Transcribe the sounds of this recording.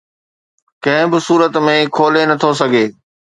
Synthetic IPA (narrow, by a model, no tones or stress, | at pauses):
kɐ̃ɦɪ̃bɪsuːɾət̪mẽkʰoːlenɐt̪ʰos̬ɐɡʱeː